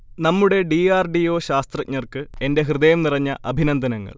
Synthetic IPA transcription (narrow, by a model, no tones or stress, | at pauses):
nɐmːuɽe̞ɖiaːrɖio̞ːɕaːst̪rɐk̚ɲɐrkɨe̞nde̞ɦrɨðɐjɐmnirɐɲːɐʔɐbʱinɐnd̪ʱɐnɐŋːɐ̰ɭ